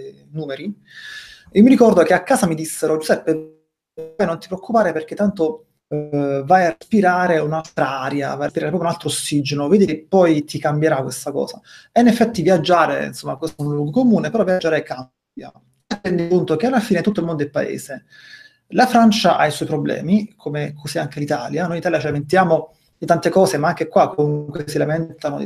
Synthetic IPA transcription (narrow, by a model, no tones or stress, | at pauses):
nuːmeɾi | imiɾikɔrd̪okeakːaːzamid̪isːeɾod͡ʒuzɛpːe | jnont̪ipɾeokːupaːɾeperk̟et̪ːant̪o | vajarespiɾaːɾeunalt̪ɾaaɾja̰vajespiɾaːɾepɾɔpjunalt̪ɾoosːid͡ʒenoveːd̪ikepːɔjt̪ikambjeɾakːwest̪akɔ̰ːzaɛinːefːɛt̪ːivjad͡ʒːaːɾḛḭnsomːakosunluɡkomuːnepeɾɔvjad͡ʒːaːɾekam | bja̰ | at̪ːɛnd̪id͡ʒunt̪okealːafiːnet̪ut̪ːoilmond̪od̪elpa̰ḛːse | lafɾant͡ʃaʔa̰iswɔjpɾoblɛ̰ːmikʰomekʰosiaŋk̟elit̪aːljanojit̪aljat͡ʃilament̪jaːmo | d̪it̪ant̪ekɔːsemaaŋk̟ekwakːomuŋkwesilamɛnt̪ano